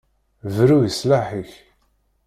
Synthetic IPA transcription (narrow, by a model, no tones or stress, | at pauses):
vɾujəslaħiç